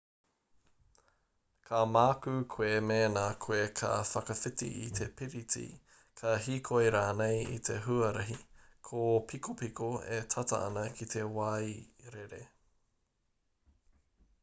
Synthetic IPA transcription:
kʰamaːkʉkʰuemeːnakʰuekʰɐ̰fɐkɐfitḭʔit̪ʰepiɾitḭ | kʰɐɦikʰojɾaːnejḭt̪ʰeɦuɐɾɐɦikʰopʰikʰopikoet̪ʰɐtɐ̰ɐ̰nɐkʰit̪ʰe̞wɐjɾeɾḛ

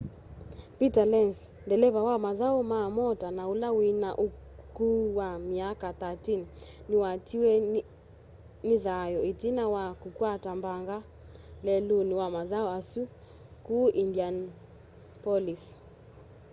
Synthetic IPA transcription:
pitalɛns | ndɛlɛβawamaðaɔmamɔtanaulawinaʔu | kuwamiakaθatinniwatiwɛ | niðajɔitinawakukwatambaŋɡa | lɛluniwamaðaɔasu | kuʔindian | pɔlis

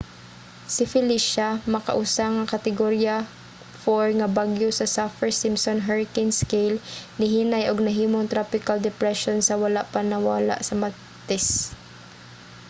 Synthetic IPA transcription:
sɪfɪliʃamɐkɐ̰ʔusaŋɐkɐt̪ɪɡoɾja | foɹŋɐbaɡjosɐsafɛɹsɪmsonɦɛɹɪkɪnskɛjlnɪɦinajʔoɡ̚nɐɦiːmoŋt̪ɾapɪkald̪ɛpɾɛʃonsɐwɐlaʔpɐnɐwaːla̰ʔsɐmɐ | t̪ɛs

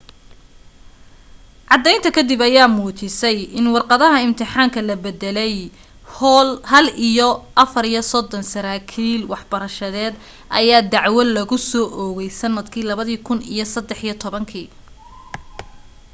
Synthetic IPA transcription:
ʕɑd̪ɛjnt̪ʰɐkʰɐd̪ibɐjaːmuːt͡ʃɪsɛjɪnwɑrqɑðɐɦɐɪmt̪ʰɪħɑːŋkʰɐlɐbɛd̪ɛlɛj | hɐlijɔʔɐfɐɾijɔsɔd̪ɔnsɐɾaːkʰiːlwɑħb̥ɐɾɐʃɐðɛːd̪ | ʔɐ̰jaːd̪ɑʕwɐlɐɣʊsɔːʔɔɣɛjsɐnːɐd̪kʰiːlɐβɐðiːkʰʊnḭjɞsɐd̪ɛħijɞt̪ʰɔβɐŋkʰiː

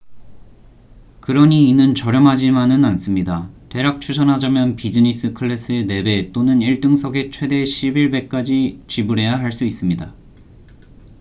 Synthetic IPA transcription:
kɯɾʌɲiːnɯnt͡ɕʌɾjʌmɦad͡ʑimanɯnans͈ɯmɲidate̞ɾak̚t͡ɕʰusʰʌnɦad͡ʑamjʌnpid͡ʑɯɲis͈ʰɯkʰɯɭːe̞s͈ʰɯe̞ne̞be̞t͈onɯniɭt͈ɯŋsʰʌɡe̞t͡ɕʰwe̞de̞ɕʰibiɭbe̞k̚k͈ad͡ʑit͡ɕibuɾɦe̞jaɦaɭs͈uis͈ɯmɲida

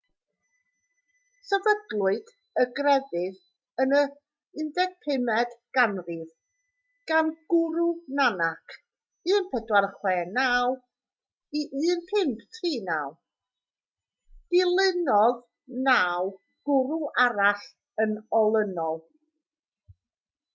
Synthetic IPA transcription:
sɛvədlˠʊɨd̥ | əɡrɛðɨð | ənə | ɨndɛɡ̥̚pʰɪmɛd̥ɡ̥anrið | ɡ̥anɡ̥ʊɾunanakʰ | ɨːnpʰɛdwarχwɛːnaːw | iʔɨːnpʰɪmpʰtʰriːnaːw | d̥ɪlˠɪnɔð | naːw | ɡ̥ʊɾuʔaɾaɬ | ənɔlˠənɔlˠ

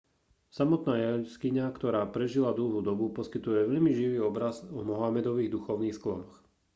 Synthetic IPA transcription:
samɔt̪naːjaskiɲakt̪ɔɾaːpɾɛʒilad̪l̩ˠɦuːd̪ɔbupɔskit̪ujɛʋɛʎmiʒiʋiːɔbɾazɔmɔɦamɛd̪ɔʋiːɣd̪uxɔʊniːxsklɔnɔx

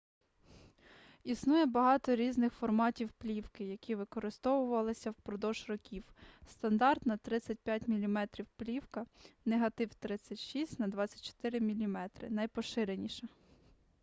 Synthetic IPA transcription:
isnujɛbɐɦɑt̪ɔɾʲiznɪxfɔrmɑtʲiwplʲiwkɪjɐkʲiʋɪkɔɾɪst̪ɔwʊʋɐlˠɪsʲɐwpɾɔd̪ɔʒrɔkʲiwst̪ɐnd̪ɑrt̪nɐt̪ɾɪt͡sʲːɐt̚ʲpʲjatʲmʲilʲimɛt̪ɾʲiwplʲiwkɐneɦɐt̪ɪwt̪ɾɪt͡sʲːɐtʲʃisʲtʲnɐd̪ʋɑt͡sʲːɐ̥tʲt͡ʃɔ̥t̪ɪɾɪmʲilʲimɛt̪ɾɪ̰nɐjpɔʃɪɾenʲiʃɛ

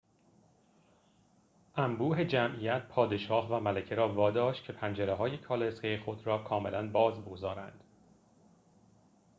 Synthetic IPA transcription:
ʔæmbuːɦe̞d͡ʒæmʔijæt̪̚pʰɒːd̪e̞ʃɒːhvæmælæcʰeɾɒːvɒːd̪ɒːʃt̪̚cʰepʰænd͡ʒeɾeɦɒːje̞kʰɒːlesɡejexo̞d̪ɾɒːkʰɒːme̞lænbɒːzboɡzɒːɾæ̰nd̪̥

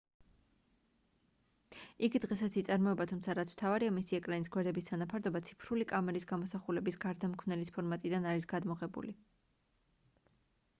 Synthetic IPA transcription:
iɡd̪ʁɛsat̪sʰit̪sʼaɾmɔɛbat̪ʰumt̪sʰaɾat̪sʰm̥t̪ʰavaɾiamisiɛkʼɾanisɡwɛɾd̪ɛbist̪ʰanapʰaɾd̪ɔbat̪sʰi̥pʰɾulikʼamɛɾisɡamɔsaχulɛbisɡaɾd̪amkʰwnɛlispʰɔɾmat̪ʼid̪anaɾisɡ̥ad̪mɔʁɛbṵli

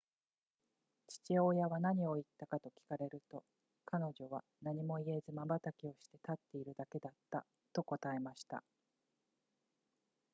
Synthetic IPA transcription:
t͡ɕi̥t͡ɕio̞jaβanaɲ̟io̞it̪ːakat̪o̞kʲi̥kaɾe̞ɾɯ̟t̪o̞ | kano̞ʑo̞β̞a | naɲ̟imo̞ie̞zɨmabat̪akʲio̞ɕi̥t̪e̞t̪at̪ːe̞iɾɯ̟d̪ake̞d̪at̪ːa̰ | t̪o̞ko̞t̪ae̞maɕi̥t̪a̰

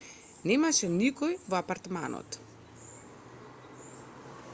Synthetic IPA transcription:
nɛmaʃɛnikɔjvɔapaɾt̪ma̰nɔ̰t̪

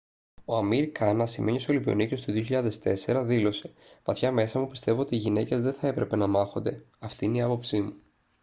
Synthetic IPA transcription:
o̞ɐmiɾkɐnɐsime̞ɲiosolipio̰nice̞st̪oðio̞çiʎɐðe̞st̪e̞se̞ɾɐðilo̞se̞̥ | vɐθçɐme̞sɐmupi̥st̪e̞voot̪iːʝine̞ce̞zðe̞θɐe̞pɾe̞pe̞nɐmɐxo̞nd̪e̞ | ɐft̪iineiɐpo̞psimu

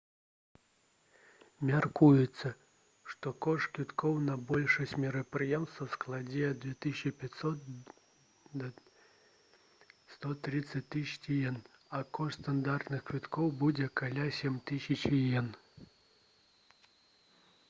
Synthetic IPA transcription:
mʲarkujɛt̪sːɐ | ʂt̪ɔkɔʂt̪kvʲit̪kʰɔwnɐbɔlʲʂɐsʲt͡sʲmʲɛɾɐpɾɨjɛmst̪vɐsklˠad͡zʲɛɐd̪vʲɛt̪ɨsʲt͡ʃipʲasɔt̪ | st̪ɔt̪ɾɨt̪sɐt͡sʲt̪ɨsʲt͡sʲijɛnɐkɔʂt̪st̪and̪art̪nɨxkvʲit̪kɔwbud͡zʲɛkalʲasʲɛmʲt̪ɨsʲɐt͡ʃijɛn

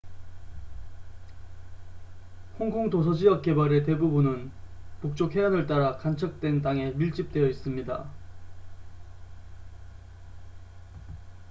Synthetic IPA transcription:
hoŋkʰoŋtos̬ʰʌd͡ʑijʌk̚k͈e̞baɾe̞te̞bubunɯnpuk̚t͡ɕ͈okheanɯɭt͈aɾakant͡ɕʰʌk̚t͈we̞nt̬͈aŋe̞miɭt͡ɕ͈ip̚t͈we̞jʌis͈ɯmɲida̰

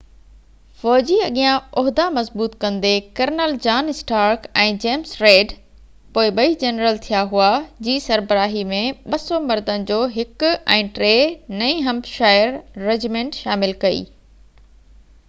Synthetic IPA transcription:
fɔːd͡ʑiɐɠijãʊɦd̪amɐzbuːt̪kɐ̃nd̪ekɐɾnəld͡ʑaːnɪsʈaːɾkɛ̃ːd͡ʑeːmsɾeːɖ | poːɪɓɐid͡ʑɐnɾəlt̪ʰijaɦuad͡ʑiːsɐɾbəɾaːɦimẽɓɐsomɐɾd̪ənɪ̆d͡ʑoːɦɪkʊɛ̃ːʈɾeːnɐ̃ĩɦɐ̃mpʃaːɪəɾːed͡ʑmẽːɳʈʃaːmɪlkɐḭː

